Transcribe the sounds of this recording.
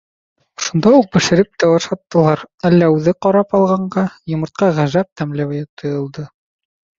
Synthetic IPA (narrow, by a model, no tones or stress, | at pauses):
ʃund̪ɑuq̚bɘ̆ʃɘ̆ɾɘp̚t̪æwɑʃɑt̪ːɤ̆lˠɑɾælːæʉðɘqɑɾɑpɑlˠʁɑɴɢɑjŏmɤ̆ɾt̪̚qɑʁæʒæp̚t̪æmlæwjɘt̪ʰŏjɤ̆lˠd̪ɤ